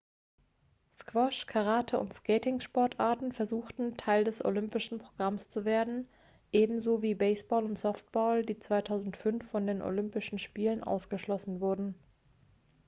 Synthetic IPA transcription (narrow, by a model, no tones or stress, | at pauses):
skv̥ɔʃkʰaʁaːtʰəʊ̰ntskɛːtɪŋʃpɔɐtʔaɐtn̩fɛɐzuːxtn̩tʰaɪldɛsʔo̰lʏmpɪʃn̩pʁ̥oɡ̥ʁamst͡suveːɐdn̩ | ʔeːbm̩zoːviːbɛɪsb̥ɔːlʊntz̥ɔft̚b̥ɔːldiːt͡sv̥aɪtʰaʊzn̩tfʏnfːɔndeːnʔo̰lʏmpɪʃn̩ʃpiːlənʔa̰ʊsɡ̥əʃlɔsn̩vʊɐdn̩